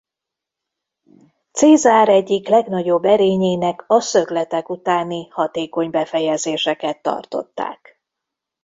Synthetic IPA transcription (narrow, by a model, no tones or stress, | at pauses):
t̪seːzaːɾɛɟːiklɛɡnɒɟo̞bːɛɾeːɲeːnɛkɒsø̞ɡlɛt̪ɛkut̪aːnihɒt̪eːko̞ɲbɛfɛjɛzeːʃɛkɛt̪ːɒ̰rt̪o̞̰t̪ːa̰ːk